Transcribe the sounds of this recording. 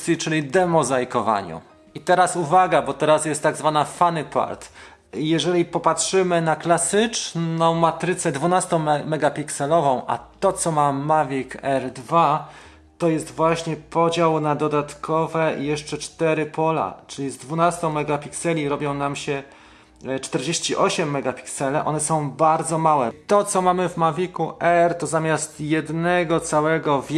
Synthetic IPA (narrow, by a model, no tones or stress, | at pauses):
sʲit͡ʂɘlʲid̪ɛmɔzajkɔva̰ɲṵ | it̪ɛɾasuvaɡabɔt̪ɛɾasjɛst̪ːaɡzvanafanɘpa̰ɾt̪ | jɛʐɛlʲipɔpatʂɘmɘnaklasɘt͡ʂnɔ̃w̃mat̪ɾɘt̪sɛd̪vunast̪ɔ̃w̃mɛɡapʲiksɛlɔvɔ̃w̃ʔa̰t̪ɔt̪sɔmamavʲikɛɾd̪va | t̪ɔjɛst̪vwaɕɲɛpɔd͡ʑawnad̪ɔd̪at̪kʰɔvɛjɛʂt͡ʂɛt͡ʂt̪ɛɾɘpʰɔla̰t͡ʂɘlʲizd̪vunast̪ɔ̃w̃mɛɡapʲiksɛlʲiɾɔbʲjɔ̃w̃namɕɛ | t͡ʂt̪ɛɾd͡ʑeɕt͡ɕiʔɔɕɛmːɛɡapʲi̥ksɛlɛʔɔ̰nɛsɔ̃w̃baɾd̪zɔmawɛt̪ɔt̪sɔmamɘvmavʲikuʔɛɾt̪ɔzamʲjast̪jɛd̪nɛɡɔt̪sawɛɡɔvʲ